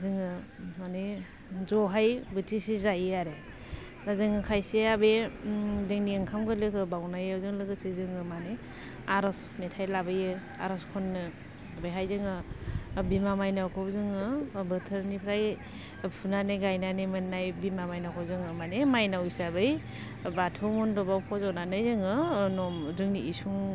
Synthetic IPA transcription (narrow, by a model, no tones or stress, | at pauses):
zɯŋɯ | mane | zɔɦajbɯtʰisizajaɾe | zazɯŋɯkʰajseabe | zɯŋnieŋkʰamɡɯlɯkʰɯbawnajawzɯŋlɯɡɯsɯzɯŋɯmane | aɾɯs | metʰajlabɯjɯ | a̰ɾɯskʰɔnːɯ | bɯjɦajzɯŋɯ | bimamajnakʰɔwzɯŋɯbɯtʰɯɾnipʰɾaj | pʰunaneɡajnanemɯnːajbimamajnakʰɔwzɯŋɯmanemajnaujsabɯj | batʰomɔndɔbawpʰɔzɔwnanɯjzɯŋɯnɔmzɯŋniisuŋ